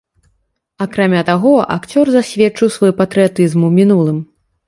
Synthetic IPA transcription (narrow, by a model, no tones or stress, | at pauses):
akɾamʲat̪aɣɔʔa̰kt͡sʲɔrzasʲvʲɛt͡ʂɨwsvɔjpɐt̪ɾɨjat̪ɨzmumʲinulˠɨm